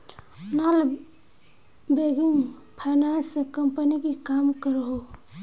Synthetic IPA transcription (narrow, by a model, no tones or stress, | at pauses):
nal | beɡiŋ | pʰanasekʌmpənikikamkəɾɦo